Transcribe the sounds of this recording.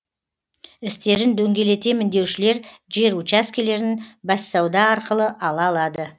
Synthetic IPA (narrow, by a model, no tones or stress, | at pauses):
ɪst̪e̞ɾɪnd̪ɵŋɡʲe̞le̞t̪e̞mɪnd̪e̞wʃɪle̞ɾʒe̞ɾut͡ʃaskʲele̞ɾnɪnbɑsːɑwd̪ɑːɾqəlˠəʔɑlˠɑːlˠɑd̪ə